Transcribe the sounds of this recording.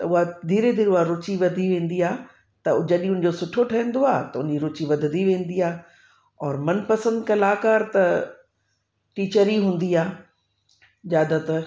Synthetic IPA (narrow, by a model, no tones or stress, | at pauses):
t̪ɐʊɦad̪ʱiːɾed̪iːɾʊɦaɾʊt͡ɕiʋɐd̪ʱiʋẽːn̆d̪iaː | t̪ɐd͡ʑɐɗĩʊ̃nɪ̆d͡ʑoːsʊʈʰoʈʰɐɦə̃n̆d̪oaːt̪ɐʊnɪd͡ʑiɾʊt͡ɕiʋɐd̪ʱɪd̪ʱiʋẽːn̆d̪iaː | ɔːɾmɐnpɐsə̃nd̪kɐlaːkaːɾt̪ɐ | ʈiːt͡ɕəɾiɦũːn̆d̪iaː | d͡ʑaːd̪ət̪ɐ